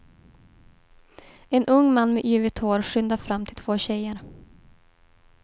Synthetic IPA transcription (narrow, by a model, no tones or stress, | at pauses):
ɛnʔɵŋːmanːmɛʔyːvɪt̪ʰhoːɾɧʏnd̪afɾamːt̪ʰɪlt̪voːɕɛjəɾ